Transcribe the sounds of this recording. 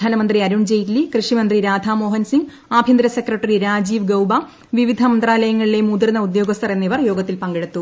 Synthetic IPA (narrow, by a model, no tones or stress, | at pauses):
aːnɐmɐnd̪riɐɾuɳd͡ʑejtlikrɨʂimɐnd̪riɾaːd̪ʱaːmo̞ːɦɐnsiŋɡ | aːbʱjɐnd̪ɾɐsekrɐʈːɐriɾaːd͡ʑiːʋɡɐwbɐ | ʋiʋid̪ʱɐmɐnd̪raːlɐjɐŋːɐɭilemud̪iɾnːɐud̪jo̞ːɡɐst̪ʰɐre̞nːiʋɐrjo̞ːɡɐt̪ːilpɐŋɡeɽut̪ːu